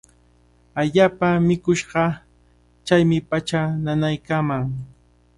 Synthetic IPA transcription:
aʎaːpamɪkʊʃɢɑ | t͡ʃajmɪpat͡ʃananajkaːmaŋ

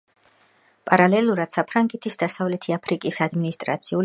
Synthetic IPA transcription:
pʼaɾalɛlˠuɾad̪̥sapʰɾaŋɡɛt̪ʰisd̪asavlɛt̪ʰiapʰɾikʼisad̪minist̪ʼɾa̰t̪sʰiu

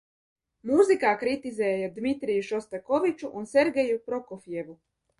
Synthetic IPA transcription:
muzikakɾit̪izejejed̪mit̪ɾijuʃost̪akoʋit͡ʃuʔonseɾɡejupɾokofjeʋu

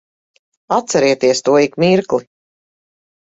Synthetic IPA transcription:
at̪sɛɾiɛt̪iɛst̪uɔikmiɾkli

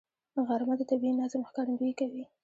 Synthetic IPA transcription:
ɣaɾmad̪ət̪abiinazəməxkɑɾand̪uikawi

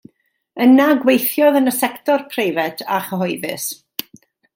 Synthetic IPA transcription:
ənaɡwejθjɔðənəsɛktɔrpʰrejvɛtʰaχəɦɔjvɨs

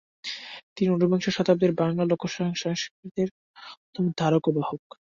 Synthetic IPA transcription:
t̪iniunobeŋʃoʃɔt̪ab̚d̪eɾbaŋlalokʰːoʃɔɦoŋʃɔŋʃkɾit̪eɾ | pɾot̪ʰomd̪ʱaɾokobahok

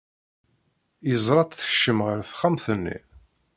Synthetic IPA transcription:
jəzˤɾˤɑt̪ˤθə̥çʃəmʁəɾfχamθənːḭ

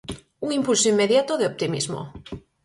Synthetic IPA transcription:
uŋimpulsoimːeðjat̪oðeop̚t̪imḭzmo̰

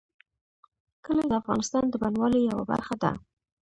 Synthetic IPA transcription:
kəlad̪əafɣɑnɪst̪ɑnd̪əbanwɑlejawa̰ba̰ɾxad̪a̰

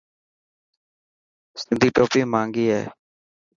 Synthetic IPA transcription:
sɪnd̪ʱiːʈoːpiːmãːŋɡiːɦeː

